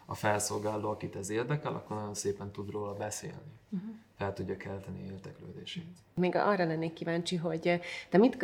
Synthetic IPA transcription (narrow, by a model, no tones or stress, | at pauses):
ɒfɛlso̞lɡaːloːɒkit̪ɛzeːrd̪ɛkɛlʔɒ̰kːornɒɟo̞nseːpɛnt̪ud̪roːlɒbɛsḛːlnifɛlt̪uɟːɒkɛlt̪ɛnieːrd̪ɛkløːd̪eːʃeːt̪ | meːɡɒ̰rːɒlɛnːeːkkːivaːnt͡ʃiɦo̞ɟt̪ɛmit̪